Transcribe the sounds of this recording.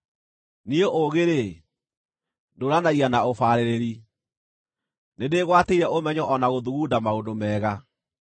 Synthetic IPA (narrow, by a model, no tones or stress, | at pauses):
nioʔoɣeɾe | ndoɾanaianaofaːɾeɾeɾi | nendeɣwateiɾɛʔomɛɲɔʔɔnaɣoðuɣuːdamaondomɛːɣa